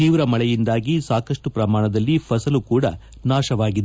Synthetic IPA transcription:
t̪iːʋɾɐmɐɭɛjind̪aːɡisaːkɐʂʈupɾɐmaːɳɐd̪ɐlːipʰɐsɐlukuːɽɐ | naːʃɐʋaːɡid̪e

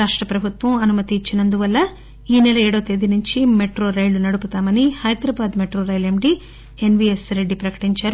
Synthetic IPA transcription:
ɾaːʂʈɾɐpɾɐbʱut̪ʋɐmɐnumɐt̪iːt͡ʃːinɐnd̪uʋɐlːɐ | iːnɛlɐɛːɽɐʋɐt̪ed̪inuɲt͡ʃimeʈɾoːɾɐjlunɐɽuput̪aːmɐnihɐjd̪ɾɐbaːd̪meʈɾoːɾɐjlemɖi | enʋiesɾe̞ɖːipɾɐkɐ̥ʈiɲt͡ʃaːɾu

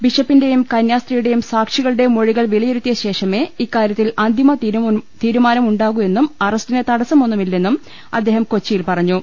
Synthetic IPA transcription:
biʂɐpːinde̞jumkɐnjaːstrijuɽe̞jumsaːkʂiɣɐɭɨɽe̞mo̞ɻiɣɐɭʋiɭijeɾut̪ːijɐɕe̞ːʂɐme̞ːikːaːɾjɐt̪ːilɐnd̪ʱimɐt̪iːɾumaːnɐmuɳɖaːɣue̞nːumɐrɐstinet̪ɐɽɐsɐmo̞nːumilːe̞nːum | ɐ̰d̪ːe̞ːɦɐmko̞t͡ɕːijilpɐrɐɲːu

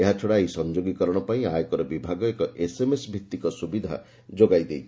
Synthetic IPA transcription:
eɦat͡ʃʰoɽaisɔnd͡ʒoɡikɔɾɔɽ̃ɔpaĩajɔkɔɾɔbibʱaɡɔekɔʔesemesbʱik̚t̪ikɔsubid̪ʱa̰ | d͡ʒoɡajd̪ej

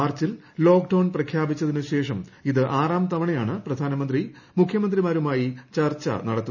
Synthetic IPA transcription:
aːrt͡ɕːil | lo̞ːkɖɐwɳprɐkʰjaːbit͡ɕːɐðinɨɕe̞ːʂɐmiðɨʔaːraːmt̪ɐʋɐɳejaːɳɨprɐd̪ʱaːnɐmɐnd̪ri | mukʰjɐmɐnd̪rimaːɾumaːjit͡ɕɐrt͡ɕːɐ̰nɐɽɐt̪ːu

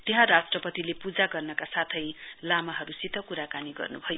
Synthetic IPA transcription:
t̪eɦãɾasʈrʌpʌt̪ilepud͡zaɡʌrnʌkasat̪ʰʌjlamaɦʌɾusit̪ʰʌkuɾakaniɡʌ̰rnubʱʌjo

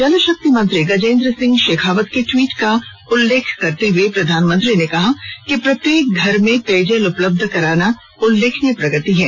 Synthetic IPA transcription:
d͡ʒɐlʃɐk̚t̪imɐ̃nt̪ɾiɡɐd͡ʒẽːnd̪ɾəsɪ̃ŋɡʃeːkʰaːʋət̪keʈwiːʈka | ʊlːeːkʰkɐɾt̪eɦuepɾɐd̪ʱaːnmə̃nt̪ɾinekɐɦakipɾɐt̪jeːk̚ɡʱɐɾmẽt̪eːd͡ʒəlʊpləb̚d̪ʱkɐɾaːna | ʊlːeːkʰnepɾɐɡət̪iɦɛ̰̃ː

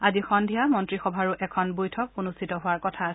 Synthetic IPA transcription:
azixɔndʱijamɔntɹixɔbʱaɹʊʔɛkʰɔnbujtʰɔk̚unustʰitɔɦʊaɹkɔtʰa

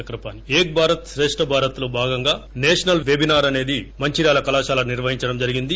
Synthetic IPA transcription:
ɐkɾɐpaːnieːk̚bʱaːɾɐt̪sɾeːʂʈɐbʱaːɾɐt̪lobʱaːɡɐŋɡaːneːʂɐnɐlʋebʱinaːɾɐne̞ːd̪imɐɲt͡ʃiɾjaːlɐkɐlaːʃaːlɐniɾʋɐɦiɲt͡ʃɐɽɐmd͡ʒɐɾiɡind̪i

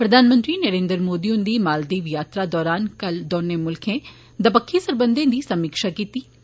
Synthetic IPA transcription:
pɾəd̪ʱaːnmə̃nt̪ɾiːnəɾẽːnd̪əɾmoːd̪iːʊnd̪iːmaːld̪iːʋjaːt̪ɾaːd̪ɔːɾaːnkəld̪ɔːnẽːmʊlkʰẽː | d̪əpəkʰːĩːsəɾbənd̪ẽːd̪iːsəmiːkʃaːkiːt̪iː

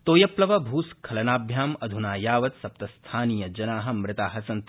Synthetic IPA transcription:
t̪oːjɐplɐʋɐbʱuːskʰɐlɐnaːbʱjaːmɐd̪ʱunaːjaːʋɐt̪sɐp̚t̪ɐst̪ʰaːniːjɐd͡ʒɐnaːɦɐ̆mɾɪt̪aːɦɐsɐnt̪

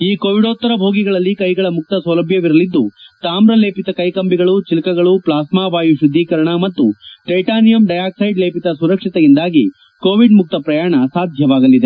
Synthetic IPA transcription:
iːkoːʋiɽot̪ːɐɾɐbʱoːɡiɡɐɭɐlːikɐjɡɐɭɐmuk̚t̪ɐsɐlɐbʱjɐʋiɾɐlid̪ːut̪aːmɾɐle̞ːpit̪ɐkɐjkɐmbiɡɐɭut͡ʃilikɐɡɐɭuplaːsmaːʋaːjuʃud̪ʱːiːkɐɾɐɳɐmɐt̪ːuʈejʈaːnijɐmɖɐjaːksɐjɖleːpit̪ɐsuɾɐkʂit̪ɛjind̪aːɡi | koːʋiɖmuk̚t̪ɐpɾɐjaːɳɐsaːd̪ʱjɐʋaːɡɐlːid̪e

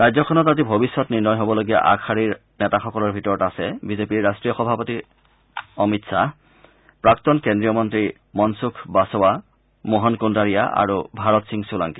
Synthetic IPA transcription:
ɹajzɔkʰɔnɔtazibʱobisːɔtniɹnɔjɦobɔloɡija̰ʔa̰kʰaɹiɹ | nɛtaxɔkɔlɔɹbʱitɔɹɔtasɛbizepiɹːastɹijɔxɔbʱapoti | ɔmitsa | pɹak̚tɔnkendɹijɔmɔntɹi | mɔnsukʰbasɔwa | mɔɦɔnkundaɹija̰ʔa̰ɹubʱaɹɔtsiŋsulaŋki

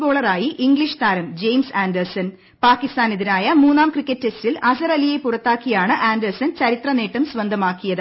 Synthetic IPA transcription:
bo̞ːɭɐraːjiʔiŋɡliʂt̪aːɾɐmd͡ʑe̞jmsaːndɐrsɐn | paːkːist̪aːneðinaːjɐmuːnːaːmkrikːɐtːestilɐsɐrɐlijepːurɐt̪ːaːkːijaːɳɨʔaːndɐrsɐnt͡ɕɐɾit̪rɐne̞ːʈːɐmsʋɐnd̪ʱɐmaːkːijɐðɨ

